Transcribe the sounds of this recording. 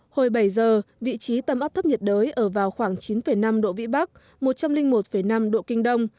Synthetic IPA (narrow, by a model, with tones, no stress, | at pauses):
ho˨˩jɓa˧˩jzəː˨˩vḭ˧˨t͡ɕi˨˦t̪ə˨˩mʔa˦˥p̚t̪ʰə˦˥p̚ɲə˨˩t̚ɗəː˨˦jʔəː˧˩vaː˨˩wxwaː˧˩ŋt͡ɕi˨˦nfə˧˩jna˧mɗo̰˧˨vḭ˧˥ɓa˦˥k̚ | mo˨˩t̚t͡ɕa˧mlï˧ŋmo˨˩t̚fə˧˩jna˧mɗo̰˧˨kï˧ŋ̟ɗə˧wŋ͡m